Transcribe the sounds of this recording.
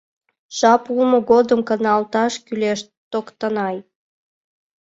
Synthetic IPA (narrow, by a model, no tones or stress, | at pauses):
ʃɑpulmoɣod̪əmkənɑlt̪ɑʃkyleʃ | t̪okt̪ənɑj